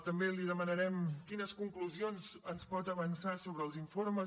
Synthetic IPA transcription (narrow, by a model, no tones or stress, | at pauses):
t̪əmbeliðəmənəɾɛmkinəskuŋkluzionzənspɔt̪əβənsasoβɾəːlˠziɱfoɾməz